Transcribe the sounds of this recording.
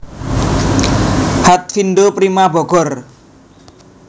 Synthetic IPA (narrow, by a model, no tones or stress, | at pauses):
hat̪̚finɖopɾimabɔɡ̥ɔr